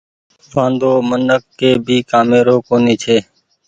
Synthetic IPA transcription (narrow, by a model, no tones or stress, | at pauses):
ʋãːnd̪oːmənəkːeːbʱiːkaːmeːɾoːkoːniːt͡ʃʰeː